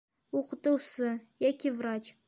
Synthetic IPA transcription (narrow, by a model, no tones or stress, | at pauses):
uqə̆t̪ŭwsɤjækʲivrat͡ɕ